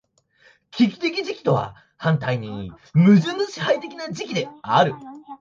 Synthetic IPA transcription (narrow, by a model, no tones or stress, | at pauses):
kʰʲikʲi̥t̪e̞kʲid͡ʑikʲi̥t̪o̞βa̰ | hãnt̪aiɲ̟ĩ | mɯ̟ʑɨnɨɕihait̪e̞kʲinad͡ʑikʲid̪e̞aɾɯ̟